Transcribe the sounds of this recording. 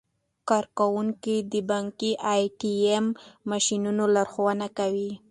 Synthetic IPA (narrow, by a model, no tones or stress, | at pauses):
kɑɾkawuŋkid̪əbaŋkiʔajʈiemːaʃinunolaɾxowanakawi